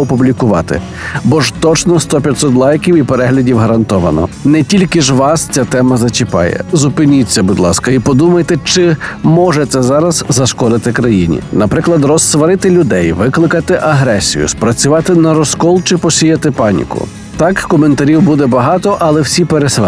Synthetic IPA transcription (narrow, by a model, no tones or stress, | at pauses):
ɔpublʲikʊʋɑ̰t̪ɪ̰ | bɔʒt̪ɔt͡ʃnɔst̪ɔpʲjɐt̪ʲsɔt̪lˠɑjkʲiwipeɾɛɦlʲɐdʲiwɦɐɾɐnt̪ɔʋɐnɔ̰nɛtʲilʲkɪʒʋɑst͡sʲat̪ɛmɐzɐt͡ʃʲɪpɑ̰jɛ̰zʊpɪnʲit͡sʲːɐbud̪lˠɑskɐipɔd̪umɐjt̪ɛt͡ʃɪmɔʒɛt̪sɛzɑɾɐzzɐʃkɔd̪ɪt̪ɪkɾɐjinʲḭnɐpɾɪklˠɐd̪rɔsːʋɐɾɪt̪ɪlʲʊd̪ɛjʋɪklˠɪkɐt̪ɪʔɐɦɾɛsʲḭjʊ̰spɾɐt͡sʲʊʋɑt̪ɪnɐɾɔskɔlˠt͡ʃɪpɔsʲijɐt̪ɪpɑnʲḭkʊ̰ | t̪ɑkːɔment̪ɐɾʲiwbud̪ɛbɐɦɑt̪ɔʔɐlˠɛwsʲipeɾes